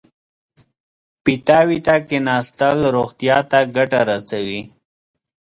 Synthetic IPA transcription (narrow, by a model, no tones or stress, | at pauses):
pit̪aːwit̪akenɑːst̪əlɾoxt̪ijɑt̪aɡaʈaɾasawi